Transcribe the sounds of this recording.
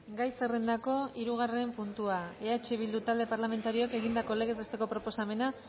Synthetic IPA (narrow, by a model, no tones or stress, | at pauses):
ɡajserend̪ako̞iɾuɣ̞arempunt̪uaeat͡ʃeβ̞ild̪ut̪ald̪epaɾlame̞nt̪aɾioake̞ɣ̞ind̪ako̞leɣezst̪e̞ko̞pɾo̞po̞same̞na